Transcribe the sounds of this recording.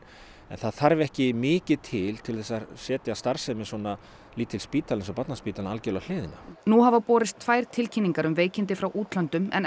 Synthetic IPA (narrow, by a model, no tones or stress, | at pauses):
ɛ̰nθaðθaɾvɛhcɪmɪːcɪðt̪ʰɪlt̪ʰɪlθɛsːasɛːt̪jast̪aɾ̥sɛmɪsɔna | liːt̪ʰːɪlspiːt̪alsɔpat̪naspiːt̪alnalcɛlal̥ɪːðɪnanuɦavapɔːɾɪst̪ʰvajɾ̥t̪ʰɪlcʰinːiŋkaɾʏmveːjcɪnt̪ɪfɾawʔuːt̪lant̪ʏmɛ̰n